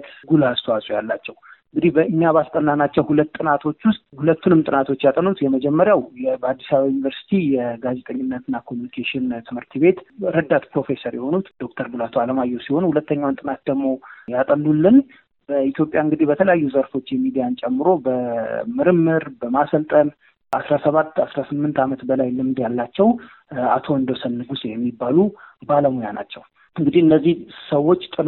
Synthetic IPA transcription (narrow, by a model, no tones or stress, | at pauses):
t̪ɡulast̪ʰwasʼujalːat͡ʃːɛwŋɡɨd̪ihbəʔɨɲːaβast̪ʼənːanat͡ʃːɛwhulət̪ːʼɨnat̪ʰo̞t͡ʃːwʊst̪ʼhulət̪ːunɨmt̪ʼɨnat̪ʰo̞t͡ʃːjat̪ʼənut̪jɛməd͡ʒɛmːəɾjawjɛbəad̪ːisaβajnivəɾsi̥t̪ʰijɛɡaze̞t̪ʼəɲːɪnːət̪ɨnːakʰomjunikʰeʃɪnt̪ʰɨmhɨɾt̪ʰɨβe̞t̪ɾəd̪ːat̪pɾo̞fe̞səɾjɛho̞nut̪d̪̥o̞k̚t̪ʰəɾbulat̪ʰualəmajːɛwsiho̞nuhulət̪ːəɲːawnt̪ʼɨnat̪̚d̪əɡmo̞jat̪ʼənːulːɨn | b̥əit̪ʰjo̞pʼjaɨŋɡɨd̪ibət̪ʰələjajːuzəɾfo̞t͡ʃːjɛmːid̪ijant͡ʃʼɛmːɨɾo̞bəmɨɾɨmːɨɾbəmasəlt̪ʼən | asɾasəβat̪ːasɾasɨmːɨnt̪amət̪bəlajlɨmd̪jalːat͡ʃːɛw | a̰t̪ʰo̞ɨnd̪əsənːɨɡusejɛmːibːalubaləmojana̰t͡ʃːɛw | ɨŋɡɨd̪iɨnːəzːihsəwːo̞t͡ʃːt̪ʼɨn